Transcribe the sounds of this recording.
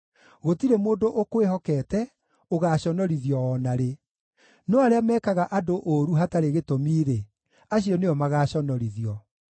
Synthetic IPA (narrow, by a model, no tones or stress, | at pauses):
ɣotiɾemoːndoʔokweɦɔkɛːtɛ | oɣaɕɔnɔɾiðiɔɔnaɾe | nɔaɾeamɛːkaɣaʔadoʔoɾuɦataɾeɣetomiːɾe | aɕiɔneɔmaɣaːɕɔnɔɾiðiɔ